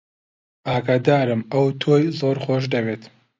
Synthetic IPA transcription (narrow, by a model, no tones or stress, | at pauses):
ʔaːɡaːd̪aːɾɨmɐwt̪ʰoːjzoːɾxoːʃd̪ɐveːt̪